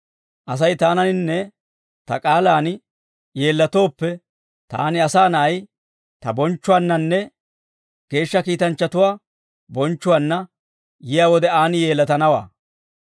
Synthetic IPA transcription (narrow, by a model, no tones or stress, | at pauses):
ʔɐs̬ɐjt̪aːnɐnɪnːɛ | t̪ɐ̰kʼaːlaːnɪ | je̞ːlːɐt̪o̞ːpːɛ | t̪a̰ːnɪɐsaːnɐʔɐj | t̪ɐbɔnt͡ʃːʊwaːnːɐnːɛ | ɡ̥e̞ːʃːɐkiːt̪ɐnt͡ʃːɐt̪ʊwaː | bɔnt͡ʃːʊwaːnːɐ | jɪjawɔd̪ɛaːnɪje̞ːlːɐt̪ɐnɐwa̰ː